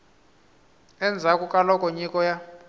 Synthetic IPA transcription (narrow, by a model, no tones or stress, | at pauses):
ɛnd͡zʱakʼukʼalɔkʼɔɲikʼɔja